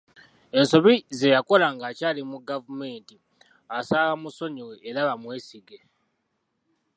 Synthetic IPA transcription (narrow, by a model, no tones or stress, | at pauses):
e̞nso̞βize̞jako̞laŋɡacaːlimuɡavume̞ːnti | asaːwamuso̞ɲiweʔːɾaβamwe̞ːsiɡe̞